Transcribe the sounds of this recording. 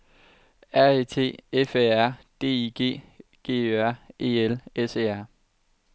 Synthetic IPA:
æɐeːt͡sʰe̝̰ːefeæɐ̰d̥e̝̰ːiɡ̥e̝̰ːɡ̥e̝̰ːøæɐ̰e̝ːelese̝̰ːæɐ̰

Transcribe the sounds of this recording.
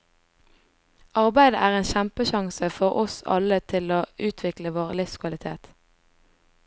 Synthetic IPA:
ʔɑʁbæɪd̪əʔæːʁeːnʃæmpəʃɑŋsəfɔʁɔsɑ̰lət̪ʰɪloːʉːt̪ʰʋɪkləʋoːʁlɪfskʰʋɑlɪt̪ʰḛːt̪

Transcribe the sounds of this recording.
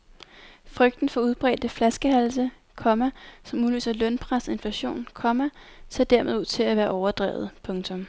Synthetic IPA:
fʁœɡ̥d̥n̩fɒ̽uð̞ˠb̥ʁɛ̰ːd̥əflæsɡ̥əɦæls̬ə | kʰɒ̽mæsɒ̽muly̰ːsɐlœnpʰʁasɒe̝nflæɕo̝̰ːnkʰɒ̽mæsʰḛɐd̥æɐmeð̩ˠuð̰ˠt͡sʰe̝læʋæːɐʔɒʊɐd̥ʁɛ̰ːʊð̩ˠpʰɔ̽ŋt͡sʰɔ̽m

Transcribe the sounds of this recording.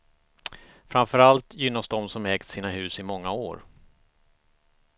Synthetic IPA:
fɾamfœɾalt̪jʏnːasd̪ɔmsɔmɛːkt̪siːnaɦʉ̟ːsɪmɔŋːaoːɾ

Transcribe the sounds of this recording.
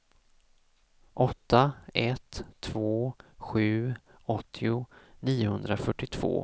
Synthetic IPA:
ʔɔt̪ʰːaɛt̪ʰːv̥oːɧʉ̟ː | ɔt̪ʰːɪʊniːʊhɵnd̪ɾafœʈːɪt̪ʰv̥o̰ː

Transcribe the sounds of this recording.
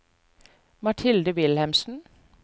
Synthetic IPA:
mɑʈʰɪld̪əʋɪlhæmsn̩

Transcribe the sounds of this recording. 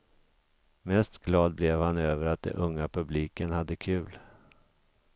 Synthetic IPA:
mɛst̪ɡlɑːd̪̚blɛvhanøːvəɾat̪̚d̪ɛ̰nʔɵŋːapʰɵbliːkənhad̪ːəkʰʉ̟ːl

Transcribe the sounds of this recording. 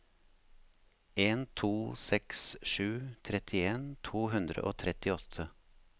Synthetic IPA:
eːnt̪ʰuːsɛksʃʉːt̪ʰɾɛt̪ʰɪeːnt̪ʰuːhʉnd̪ɾə̰ʔoːt̪ʰɾɛt̪ɪɔt̪ʰə

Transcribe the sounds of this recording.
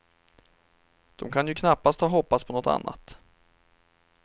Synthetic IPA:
d̪̥ɔmkʰanjɵkʰnapːast̪hɑːɦɔpːaspʰɔnɔt̪a̰nːa̰t̪

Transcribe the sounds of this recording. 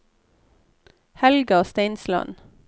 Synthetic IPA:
hɛlɡɑoːst̪æɪnslɑ̰n

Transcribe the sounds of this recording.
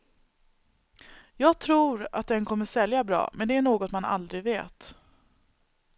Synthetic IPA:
jɑːɡ̚t̪ʰɾuːɾa̰t̪̚d̪ɛnkʰɔmːəʂɛljabɾɑ̰ːmʔɛnd̪ɛæɳoːɡɔt̪mana̰ld̪ɾɪɡveːt̪

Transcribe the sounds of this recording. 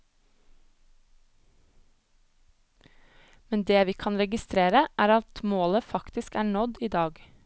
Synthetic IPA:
mɛnd̪eːʋiːkʰɑnɾɛɡɪst̪ɾeːɾəʔæːɾɑt̪moːləfɑkt̪ɪskæːɳɔd̪iːd̪ɑːɡ

